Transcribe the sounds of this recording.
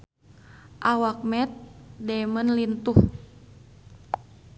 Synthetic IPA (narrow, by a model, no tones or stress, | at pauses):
ʔawak̚mɛt̪̚dɛmənlint̪uh